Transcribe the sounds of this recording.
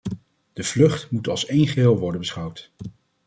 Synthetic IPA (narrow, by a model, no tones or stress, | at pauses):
d̥əv̥lɵχtmutɑ̰lˠsejnχəɦɪːlˠʋɔɹdənbəsχʌwt